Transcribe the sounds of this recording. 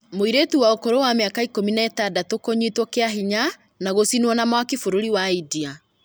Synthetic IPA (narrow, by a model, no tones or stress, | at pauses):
moiɾetuwaokoɾowameakaikominaɛtadatokoɲitwɔkeaɦiɲa | naɣosinwɔnamwakefoɾoɾiwaidia